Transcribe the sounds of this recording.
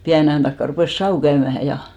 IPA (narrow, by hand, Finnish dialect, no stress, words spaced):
piæne ɑj̆ɑn tɑkːɑ rupeˑs sɑu kæymæhæ jɑ